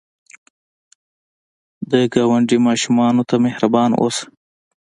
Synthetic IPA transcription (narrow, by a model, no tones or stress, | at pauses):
d̪əɡɑwaɳɖimɑʃumɑnot̪amehɾabɑnʔo̰s